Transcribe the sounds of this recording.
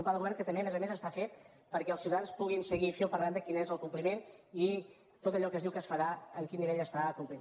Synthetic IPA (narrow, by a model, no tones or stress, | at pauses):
mpaðəɣuβɛɾŋkət̪əmbeəmezəmezəst̪afet̪̚ | pəɾkɛəlˠsiwt̪anspuɣ̞insəɣifiwpəɾland̪əkinezəlˠkumplimeni | t̪ot̪əʎɔkəzðiwkəsfəɾaəŋkinːiβeʎəst̪akumpli